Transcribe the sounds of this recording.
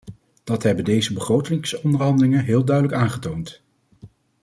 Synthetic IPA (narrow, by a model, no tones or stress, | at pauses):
d̥ɑtɦɛbəndejzəbəχrowtɪŋsɔndəɹɦɑndəlɪŋənɦɪːlˠdœɥdələkaːnχətownt